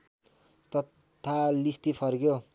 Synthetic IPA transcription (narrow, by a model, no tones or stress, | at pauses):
t̪ʌ | t̪ʰalist̪ipʰʌrɡjo